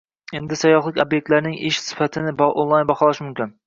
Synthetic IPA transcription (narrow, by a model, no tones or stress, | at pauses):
end̪ɪsajːɒχlˠɪkʲobjek̚ʲt̪laɾnɪŋɪʃsɪ̥fat̪ʰɪnɪbonlˠɑjnbɑχɒlˠɪʃmʊmkʲɪn